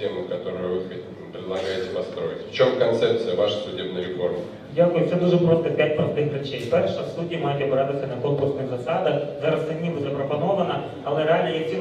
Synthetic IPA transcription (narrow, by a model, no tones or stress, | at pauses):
emɨkɐt̪o̞ɾʊjʊvɨ | pɾʲɪd̪lˠɐɡajɪtʲɪ̥pɐst̪ɾo̞ɪtʲft͡ʃo̞mkɐnt̪sɛp̚t̪sɨjəʋaʂsʊdʲebnʊjɾʲɪfo̞rmʊ | dʲakʊjʊt̪sɛd̪uʐɛpɾost̪ɐpʲætʲpɾɐft̪ɪxɾɪt͡ʃejpɛrʃsutʲimɑjɪt̪ʲɐbɾɑt̪ɪsʲɐnɐkonkʊrsnɨxzɐsɑd̪ɐxzɑɾɐst̪ɐdʲnʲiʋɐzɐpɾɐpɐnɔʋɐnɐ | ɐlˠɛɾealʲijɐksʲi